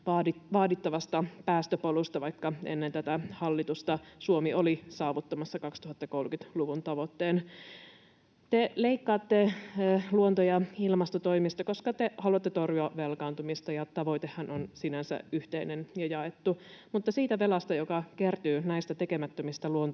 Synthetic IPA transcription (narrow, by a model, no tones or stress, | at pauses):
ʋɑːiʋɑːdit̪ːɑʋɑst̪ɑpæːst̪øpolust̪ɑʋɑikːɑḛnːent̪æt̪æhɑlːit̪ust̪ɑsuomiolisɑːʋut̪ːɑmɑsːɑkɑkst̪uhɑt̪ːɑko̞lkyt̪luʋunt̪ɑʋot̪ːeːn | t̪eleikːɑːt̪ːeluont̪ojɑilmɑst̪ot̪oimist̪ɑko̞skɑt̪ehɑluɑt̪ːet̪orjuɑʋʋelkɑːnt̪umist̪ɑjɑt̪ɑʋo̞it̪ehːænʔonsinænsæ̰yht̪einenjɑjɑet̪ːumut̪ːɑsiːt̪æʋelɑst̪ɑjokɑkert̪yːnæist̪æt̪ekemæt̪ːømist̪æluont̪